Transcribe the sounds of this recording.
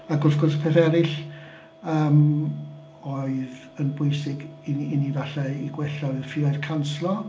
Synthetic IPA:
aɡʊrsɡʊrspʰɛθɛɾɪɬ | əːm | oɨð | ənbʊɨsɪɡiinivaɬaiɡwɛɬaɨðfɪɔɨðkʰanslˠɔ

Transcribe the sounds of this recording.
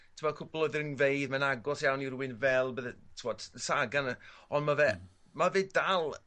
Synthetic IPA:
tʰumɔkʰʊplˠɔðɪɾənnvejðmanaɡɔsjawniɾuɪnvɛlˠbəðtʰumɔd̥saɡanəɔnmavɛ | maveːd̥alˠ

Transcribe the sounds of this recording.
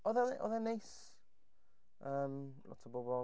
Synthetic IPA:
ɔðɛnʔɔ̰ðɛnejs | əːmlɔ̰tʰəbobɔ

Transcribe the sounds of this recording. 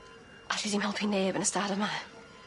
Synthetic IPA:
aɬidimhɛlˠpʰinːeːbənəstaːdəma

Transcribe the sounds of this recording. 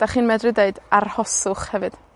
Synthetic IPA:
d̥aχiːnmɛdrɨdeɨdarhɔsʊχhɛvɨd̥

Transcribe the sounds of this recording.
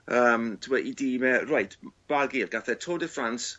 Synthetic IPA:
əːmtʰɪmɔʔidiːmɛrajtb̥aɡiːrɡaθɛtʰoːdəfrans

